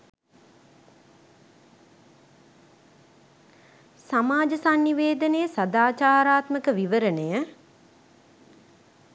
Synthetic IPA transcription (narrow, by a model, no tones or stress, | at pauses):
samaːd͡ʒəsanːiʋeːd̪ənəjəsad̪aːt͡ʃaːɾaːt̪məkəʋiʋəɾənəjə